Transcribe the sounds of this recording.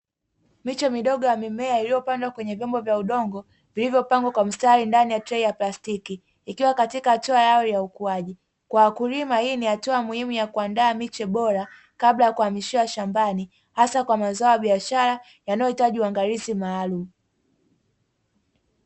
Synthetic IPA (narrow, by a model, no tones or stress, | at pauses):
mit͡ʃɛmiɗɔɠɔjamimɛailijɔpandwakwɛɲɛvjɔmbɔvjauɗɔŋɡɔ | vilivjɔpaŋɡwakwam̩staɾindanijatɾɛijaplastikiː | kiwakatikahatuajajɔjaukuaʄi | kwaːkuɾimahiːnihatuamuhimujakuandaːmit͡ʃɛɓɔɾa | kaɓlajakuhamiʃiwaʃambani | hasakwamazaɔjaɓiaʃaɾa | janajɔhitaʄiwaŋɡaɾizimaːlum